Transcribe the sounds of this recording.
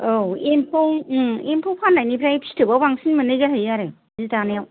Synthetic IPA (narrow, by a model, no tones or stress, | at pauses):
oempʰoŋempʰopʰanːajnipʰɾajpʰi̥stʰɯbabaŋsinmɯnɯjɡaɦajaɾe | zitanejaw